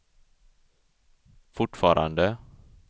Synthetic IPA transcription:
fʊʈfɑːɾʔa̰nd̪ə

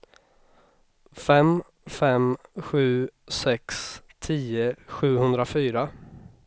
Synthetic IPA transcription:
fɛm | fɛmɧʉ̟ːsɛkst̪ʰiːəɧʉ̟ːhɵnd̪ɾafyːɾa

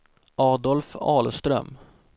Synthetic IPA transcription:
ʔɑːd̪ɔlfɑːlst̪ɾœ̰m

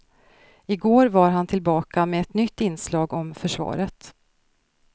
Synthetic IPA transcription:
ɪɡoːɾvaɾɦant̪ʰɪlbɑːkameɛt̪nʏt̪ːɪnːslɑːɡɔmfœʂvɑ̰ːɾət̪

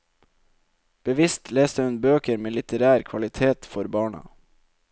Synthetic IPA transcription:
b̥əʋɪst̪ʰleːst̪əhʉnbøːkəɾmeːlɪt̪əɾæːɾkʰʋɑlɪt̪ʰeːt̪fɔɾbɑːɳɑ̰

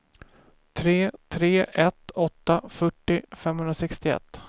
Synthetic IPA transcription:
t̪ʰɾeːt̪ʰɾeːʔɛt̪ɔt̪ːafœʈːɪfɛmːhɵnɾasɛkst̪ɪɛ̰t̪ː

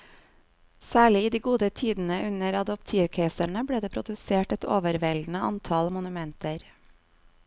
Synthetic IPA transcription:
sæːɭɪiːd̪iːɡuːd̪ət̪ʰiːd̪n̩əʔʉnəɾɑd̪ɔp̚t̪ʰiːʋkʰeːsəɳəbɽeːd̪eːpʰɾʊd̪ʉseːʈɛt̪o̰ːʋəɾʋɛld̪n̩əʔɑ̰nt̪ʰɑlmʊnʉmɛnt̪əɾ

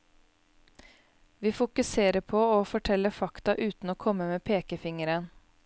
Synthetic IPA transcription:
ʋiːfʊkʉseːɾəpʰɔoːfɔʈʰɛlːəfɑkt̪ɑʔʉːt̪n̩oːkʰɔmːəmeːpʰeːkəfɪŋəɾən

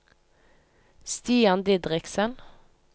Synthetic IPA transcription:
st̪iːɑnd̪ɪd̪ʁɪksən

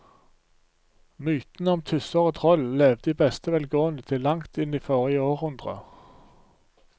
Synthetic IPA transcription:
myːt̪nəɔmt̪ʰʏsəʁoːt̪ʰʁɔlleːʋd̪əiːbɛst̪əʋɛlɡoːənət̪ʰɪlːɑŋt̪ɪniːfoːʁɪjəoːʁhʉnd̪ʁə̰

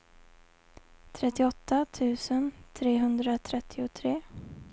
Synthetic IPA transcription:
t̪ʰɾɛt̪ːɪɔt̪ʰːat̪ʰʉ̟ːsənt̪ʰɾeːɦɵnd̪ɾat̪ʰɾɛt̪ʰːɪʊt̪ʰɾeː

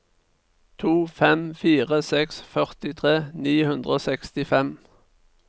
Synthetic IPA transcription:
t̪ʰuːfɛmfiːʁəsɛksfœʁt̪ɪt̪ʰʁeːniːhʉnd̪ʁəoːsɛkst̪ɪfɛm

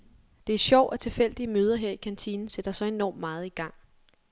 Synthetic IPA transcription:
d̥e̝æɐɕɒʊ̰ʔɒ̽t͡sʰe̝fel̰d̥iəmøːð̞ˠɐɦeɐ̰ikʰænt͡sʰiːnn̩sed̥ɐsɒ̽e̝nɒ̰ːmːmɑ̈ːð̞̩ˠiɡ̥ɑ̈ŋ̰

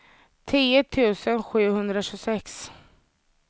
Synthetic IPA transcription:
t̪ʰiːt̪ʰʉ̟ːsənɧʉ̟ːhɵnd̪ɾaɕɵsɛks

